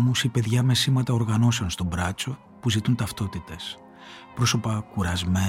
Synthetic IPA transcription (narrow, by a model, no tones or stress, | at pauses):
musipe̞ðʝɐme̞simɐt̪ɐo̞ɾɣɐno̞se̞onst̪o̞bɾɐt͡so̞ | puzit̪unt̪ɐft̪o̞t̪it̪e̞s | pɾo̞so̞pɐkuɾɐzme